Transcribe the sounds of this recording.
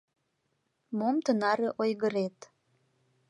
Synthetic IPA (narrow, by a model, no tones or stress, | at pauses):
momt̪ənɑɾeʔojɣəɾet̪